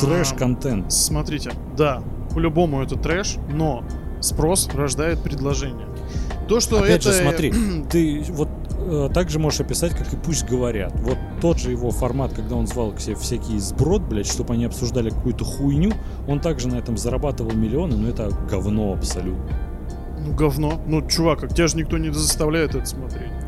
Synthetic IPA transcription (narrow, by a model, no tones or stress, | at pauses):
t̪ɾɛʂkɐnt̪ɛnt̪smɐt̪ɾʲitʲɪ | d̪a | pəlʲʊbo̞mʊɛt̪ətt̪ːɾɛʂno | spɾo̞srɐʐd̪ajɪt̪̚pɾʲɪd̪lˠɐʐɛnʲɪjə | t̪oʂt̪oɐpʲædʲʐɨsmɐɾʲit̪ɨvo̞t̪ət̪aɡʐɨmo̞ʐɨʂɐpʲɪsatʲkakɨpusʲtʲɡəvɐɾʲat̪vo̞t̪ːo̞d̪ʐɨjɪvo̞fɐrmat̪kɐɡ̚d̪ao̞nzvalˠksʲefsʲækʲɪzbɾo̞d̪̚blʲæʂt̪o̞bɐnʲiɐpsʊʐd̪alʲɪkɐkujʊt̪əxujnʲu | o̞nt̪aɡʐɨnɐɛt̪əmzəɾɐbat̪ɨvəlˠmʲɪlʲɪo̞nɨnoɛt̪əɡɐvno̞ɐpsɐlʲut̪nə | nuɡɐvnonut͡ɕʊvakak̚tʲɪaʐɨnʲɪk̚t̪o̞nʲɪd̪əzəst̪ɐvlʲæjɪt̪ɛt̪ə̥smɐt̪ɾʲet̚ʲ